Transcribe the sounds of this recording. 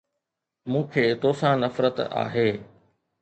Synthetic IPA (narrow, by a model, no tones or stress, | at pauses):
mũːkʰeːt̪oːsãːnɐfɾət̪a̰ːɦeː